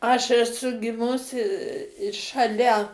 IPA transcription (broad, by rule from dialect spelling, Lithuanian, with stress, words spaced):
ɐʃ ɛˈsʊ ɡʲɪˈmʊsʲɪ ʃɐˈlʲɛ